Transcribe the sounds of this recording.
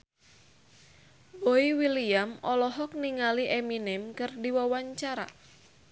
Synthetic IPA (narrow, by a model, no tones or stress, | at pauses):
boiwiliamɔlɔɦɔk̚niŋaliʔeminɛmkɨrdiwawaɲt͡ʃaɾa̰